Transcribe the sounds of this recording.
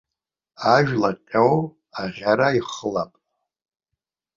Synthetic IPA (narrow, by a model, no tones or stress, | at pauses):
aʒᶣlaqʲʼow | aʁʲaɾaiχəlapʼ